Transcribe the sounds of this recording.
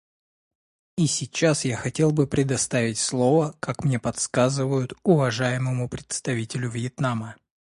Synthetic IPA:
isʲɪt͡ɕːasjaxɐtʲe̞lˠbɨpɾʲɪd̪ɐst̪avʲɪtʲslˠo̞vəkakmnʲe̞pɐt̪skazɨvəjʊt̪ʊvɐʐajɪməmʊpɾʲɪt̪st̪ɐvʲitʲɪlʲʊvjɪt̪namə

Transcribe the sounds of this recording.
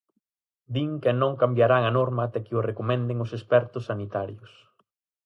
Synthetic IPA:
d̪iŋkenõŋkambjaɾaŋɐnɔɾmaːt̪ɛkɪʊrekomɛ̃nd̪eŋʊsespɛɾt̪ʊsːanit̪aɾjʊs

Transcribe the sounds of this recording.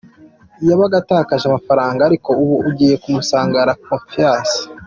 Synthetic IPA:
jaβaɡataːkaʒamafaɾaːŋɡaːɾiko̞uβuuɟiːje̞kumusaːŋɡaɾakofiaːsḁ

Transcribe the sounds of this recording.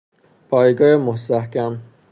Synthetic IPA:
pʰɒːjɡɒːjemost̪æhkæm

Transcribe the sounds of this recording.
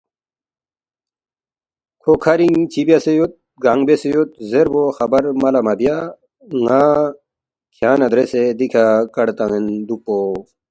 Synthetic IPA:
kʰokʰɐɾiŋt͡ɕʰibjasejot̪̚ | ɡaŋɡbesejot̪̚zeɾboxɐbɐɾmɐlɐmabja | ŋa | kʰjaːnɐd̪ɾesed̪ikʰakɐɽt̪aŋend̪upo

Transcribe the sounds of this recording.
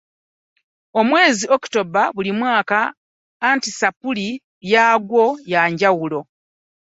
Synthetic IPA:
o̞mwe̞ːzio̞ku̥to̞baβulimwaːkaː | ntisapuli | jaːɡwo̞jaːɲɟawulo̞

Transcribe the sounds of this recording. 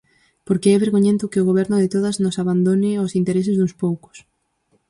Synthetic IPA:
poɾkɪɛβeɾɣoɲẽnt̪ʊkɪoɣ̞oβ̞ɛɾnʊðɪt̪oðɐznʊsaβand̪onɪosint̪eɾesɪzðuŋspowkʊ̥s

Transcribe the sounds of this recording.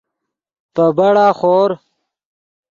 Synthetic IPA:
pəbɐɽaːχoːɾ

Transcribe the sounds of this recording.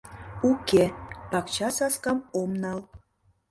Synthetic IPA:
ukepɑkt͡ɕɑsɑskɑmomnɑl

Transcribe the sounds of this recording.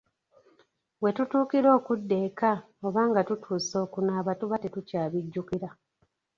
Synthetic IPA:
we̞tutuːkiɾo̞ːkudːe̞ːka | o̞βaːŋɡatutʰuːso̞ːkunaːβatuβatetucaːβiɟːukiɾa

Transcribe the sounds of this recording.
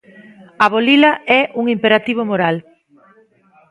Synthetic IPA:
ɐβolilɐɛʔuŋimpeɾat̪iβ̞omoɾal

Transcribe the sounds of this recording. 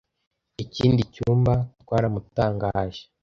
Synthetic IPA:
iciːndicuːmbatwaːɾamutaːŋɡaːʒe

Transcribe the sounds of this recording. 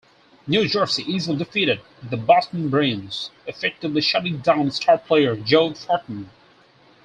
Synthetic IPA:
njʉd͡ʒɜɹsiʔizlˠidɨfiɾɨd̪̚ðəbɑstn̩bɹẽɪ̃nz̥ɨfɛk̚tɨvliʃʌɾɪ̃ŋdãʊ̃nstʰɑɹpʰl̥eɪə˞d͡ʒoʊfɔɹʔnn̩

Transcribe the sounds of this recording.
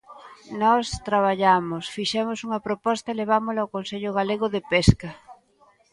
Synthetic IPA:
nɔst̪ɾaβ̞aʎamosfiʃɛmosuŋɐpɾopɔst̪aeleβ̞amolawkonseʎoɣaleɣoðepeskɐ

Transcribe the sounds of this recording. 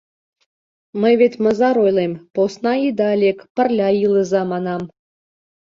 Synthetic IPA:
mə̆jβetʲmə̆zɑɾojlˠemposnɑid̪ɑlʲekpə̆rʲlʲɑjɯlˠə̆zɑmɑnɑm

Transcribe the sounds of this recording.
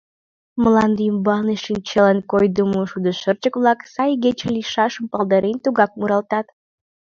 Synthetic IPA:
mə̆lˠɑnd̪ɨjmbɑlˠnɨʃint͡ʃelənkojd̪umuʃud̪əʃərt͡ʃəkβlˠɑksɑjɡʲet͡ʃelʲiʃɑʃəmpɑlˠd̪əɾʔent̪uɣɑk̚muɾɑlˠt̪ɑt̪

